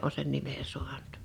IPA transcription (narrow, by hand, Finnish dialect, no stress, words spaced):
o sen nime su̞ɑn̥ŭ̥t